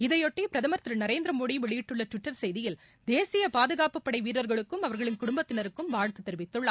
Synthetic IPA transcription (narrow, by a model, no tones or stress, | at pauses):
ɪðɐjɔʈːipɪɾɐðɐmɐɾt̪ɪɾɐnɐɾeːnd̪ɾɐmoːɽiʋɛɭɪjɪʈːɯɭːɐʈʋɪʈːɐɾsɛjðɪjɪl | d̪eːsɪjɐpaːðɯɣaːpɯpːɐɽɐɪʋiːɾɐɾɣɐɭɯkːɯmɐʋɐɾɣɐɭɪnkʊɽʊmbɐt̪ːɪnɐɾɯkːɯmʋaːɻt̪ːɯt̪ːɛɾɪʋɪt̪ːɯɭːa̰ː